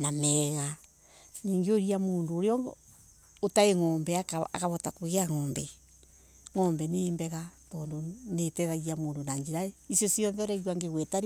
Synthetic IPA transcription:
namɛːɣa | niːŋɡeoɾiamoːndoːɾeɔ | otaeŋɔːmbɛakaa̰kaβɔtakoɣeaŋɔːmbɛ | ŋɔːmbɛnembɛɣatɔːndonetɛðaɣiamoːndonaɲd͡ʒeɾaeisjosiɔnðɛoɾɛɣwaŋɡeɣwɛtaɾ

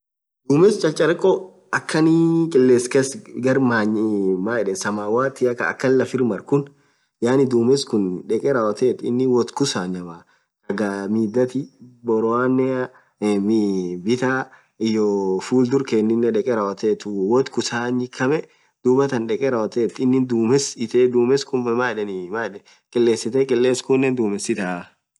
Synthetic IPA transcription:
d̪̥uːmɛst͡ʃʼɐlt͡ʃʼɐɾɛkʼːɔ | ɐkːɐnikʼɛlːeːskeːsɡɐɾmaːɲmaːɛᶑɛsɐmaːwaːt̪ɪɐkːɐ̰ːkːɐnlɐfɪɾmɐɾkʊn | jaːnɪd̪uːmɛskʊnᶑɛkʼɛɾaːwɐt̪eːt̪ɪ̰nːɪwɔt̪kʊsaːɲɐbaː | ɐɡamiːd̪ːɐt̪ɪbɔɾɔaːnɛ | mibɪt̪aː | ɪjɔːfuːld̪ʊɾkɛnːɪnːɛᶑɛkʼɛɾaːwɐt̪eːt̪ʊwɔt̪kʊsaːɲɪkʰːɐmɛ | d̪̥ubɐt̪ɐnᶑɛkʼɛɾaːwɐt̪et̪ɪnːɪnd̪uːmɛsɪt̪eːd̪uːmɛskʊmaːᶑɛnɪmaᶑɛ | kʼɛlːeːsːɪt̪ɛkʼɛlːeːskʊnːɛnd̪uːmɛsɪt̪a

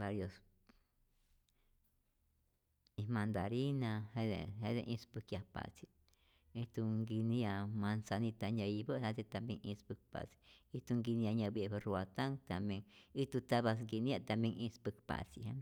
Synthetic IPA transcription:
baɾjos | ĩmãnd̪aɾinãhed̪ḛhed̪eʔĩspɨkjapa̰t͡si | it̪uŋɡinĩamãnsanĩt̪aɲãibəʔhaset̪ambjeŋĩspɨk̚pa̰t͡si̥it̪uŋɡinĩaɲãbieβɨruat̪aŋt̪ameŋit̪ut̪aβas̬ɡinĩat̪amjeŋĩspɨkpa̰t͡siha

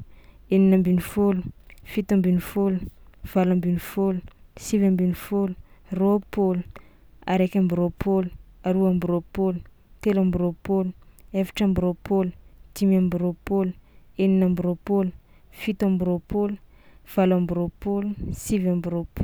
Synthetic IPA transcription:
eninambinifolufit̪ambinifoluv̥alambinifolusivambinifolu̥ropolu | aɾekʲambɾopʰoluaɾuambiɾopolu | t̪elambiɾopoluefḁʈ͡ʂambiɾopolu̥t̪imambiɾopolu̥eninambiɾopolu̥ | fit̪ambiɾopolu | v̥alambiɾopolusivambiɾopo

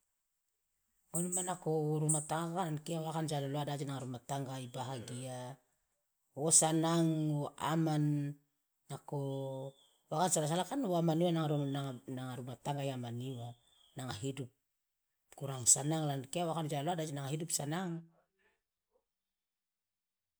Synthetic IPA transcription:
onmanakoɾumataŋɡakalankeawakand͡ʒalaloadad͡ʒinaŋaɾumataŋɡaibaɦaɡia | osanaŋoa̰manː | ako | wakansalas̬alakanoamaniwanaŋaɾuanaŋaɾumataŋɡajamaniwa | naŋaɦidup̚ | kuɾaŋsanaŋlankeawakand͡ʒalaloadad͡ʒinaŋaɦidupsanaŋ

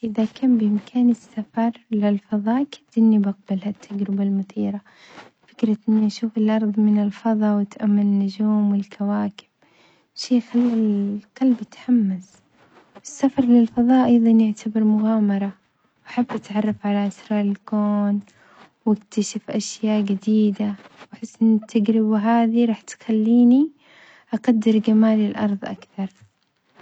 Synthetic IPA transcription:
ʔɪðakʰaːmbɪʔɪmkʰaːnɪsːafɑɾˤlɪlfɑðˤɑːʔkʰḁd̪ːɪnːibaq̚balhat̪ʰːad͡ʒɾɪbalmʊθiːɾa | fɪkɾˤɑʔɪnːiʔaʃuːfɪlʔɑɾˤðˤmɪnɪlfɑðˤɑwɪt̪ʔamːanɪnːʊd͡ʒuːmwɪlkʰawaːkɪ̥b̥̚ | ʃeːxalːqɑlbjɪt̪ħamːas | wɪsːafɑɾˤlɪlfɑðˤɑːʔɑjðˤɑnjɪʕt̪ʰabɪɾmʊɣaːmɑɾˤɑ | wʔaħabːʔat̪ʕɑrˤːɑfʕalaʔɪsɾˤɑːlɪlkoːn | wɪkt̪aʃɪfʔaʃjaːʔɡɪd̪iːd̪awaħɪsːʔɪnːɪt̪ʰːaɡɾɪbaɦaːðiɾˤɑːħt̪xalːiːni | ʔaqad̪ːɪɾɡamaːlɪlʔɑɾˤðˤʔa̰kθɑɾˤ

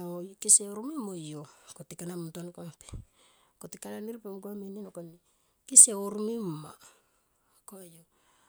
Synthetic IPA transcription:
okiseoɾumimojokotikanamuntonkoape̥ | kotikananiɾpemɡuaminenokon | kiseoɾumima̰ | kojo

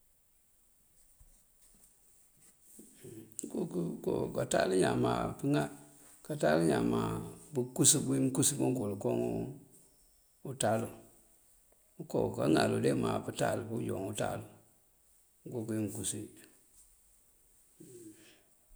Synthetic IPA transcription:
ɡukukokataliɲamapiŋa | kataliɲamabukusibuimkusimuɡolkoŋu | utalu | koka̰ŋaludemapitalbujoŋuta̰lu | ɡokuimkusi

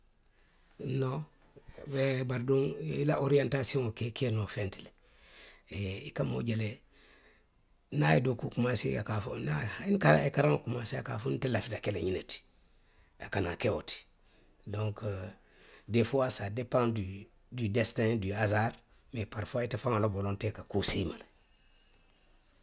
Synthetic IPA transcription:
no | bebaɾduŋḭlaʔoɾiantasiŋokekenofentile | eikamo̰ɟele | naḭdokukumasḭja̰kafṵnainkaɾa̰ekaɾaŋkumasia̰kafuntelafidakeleɲineti̥ | akana̰kewo̰ti̥ | doŋk | defoasadepãnd | didestadiazaɾ | mepaɾfoaitefaŋalobolontekakusimale

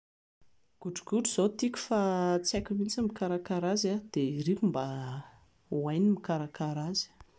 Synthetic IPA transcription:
ɡ̥uɖ͡ʐuɡ̥uɖ͡ʐuz̥ot̪ikʲu̥fat͡sakʲumint͡simikaɾakaɾazad̪̥erikumba | uajnimikaɾakaɾazi̥

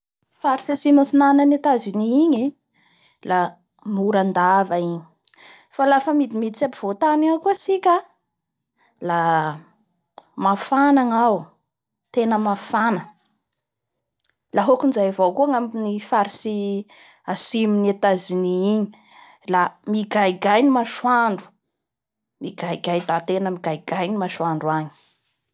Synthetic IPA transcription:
faɾisasimasinanənat̪aziniiɲi | la | muɾand̪avaiɲi | falafəmid̪imid̪it͡sapiv̥ot̪anakuəsikʲa | la | mafanaŋaw | t̪enəmafanə | laɦokunzajvokuaŋaminifaɾisi | asiminiat̪aziniiɲi | lamiɡajiɡajnimaʃwaɳɖ͡ʐu̥ | miɡajɡajd̪at̪enəmiɡajɡajnimaʃwaɳɖ͡ʐuaɲi̥

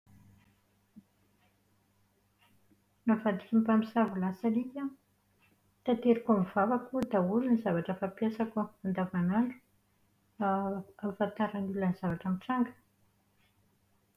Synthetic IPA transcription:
navad̪ikimpamisavulasaɾikʲa | t̪at̪eɾikamvavakud̪aulinizavaʈ͡ʂəfapijasakuand̪avanaɳɖ͡ʐu̥ | afant̪aɾanulaniz̥avaʈ͡ʂamiʈ͡ʂaŋɡə̥

